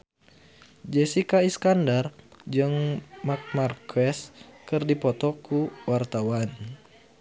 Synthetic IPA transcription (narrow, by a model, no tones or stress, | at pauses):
d͡ʒɛsikaiskandard͡ʒɨŋmak̚markʰɛskɨrdipɔt̪ɔkuwart̪awan